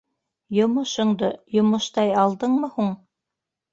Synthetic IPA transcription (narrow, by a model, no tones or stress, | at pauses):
jŏmŏʃŏɴd̪ojŏmɤ̆ʃt̪ɑjɑlˠd̪ɤɴmɤhuɴ